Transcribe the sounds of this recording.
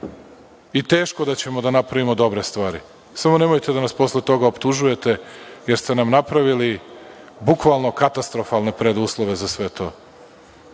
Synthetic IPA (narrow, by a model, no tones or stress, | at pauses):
it̪e̞ːʃko̞d̪at͡ɕe̞mo̞d̪anapɾaʋimo̞d̪o̞bɾe̞st̪ʋaːɾḭ | samo̞ne̞mo̞jt̪e̞d̪anaspo̞sle̞t̪o̞ɡaopt̪uʒuje̞t̪e̞je̞ɾst̪e̞namnapɾaʋili | bukʋalˠno̞kat̪ast̪ɾo̞falˠne̞pɾe̞d̪uːslˠoʋe̞zasʋe̞t̪ʰo̞̰ː